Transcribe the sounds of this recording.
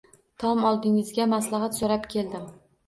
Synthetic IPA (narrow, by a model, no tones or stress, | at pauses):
t̪ʰɒmɒlˠd̪ɪŋɪzɡʲamaslˠɑɦat̪soɾapkʲʰe̞ld̪ɪm